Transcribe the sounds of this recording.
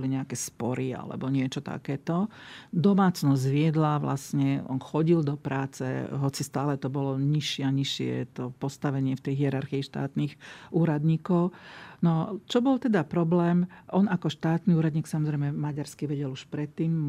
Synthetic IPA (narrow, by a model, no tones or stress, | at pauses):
ɔliɲɛakɛspɔɾʔia̰lɛ̰bɔɲɪɛt͡ʃɔt̪a̰kɛːt̪ɔd̪ɔmaːt͡snɔzɟʋɪɛd̪laʋla̰sɲɛɔ̰nxɔɟild̪ɔpɾaːt͡sɛ̰ɦɔt͡sist̪aːlɛt̪ɔbɔlɔɲiʃɪɛaɲiʃɪɛ̰t̪ɔpɔst̪aʋɛɲɪɛft̪ɛjɦɪɛɾaɾxiiʃt̪a̰ːt̪niːxʔuːɾad̪ɲiːkɔʊnɔt͡ʃɔbɔlt̪ɛd̪apɾɔblɛːmʔɔnakɔʃt̪aːt̪niuːɾad̪ɲiːksamɔzɾɛjmɛmaɟaɾskiʋɛɟɛluʃpɾɛt̪ːiːm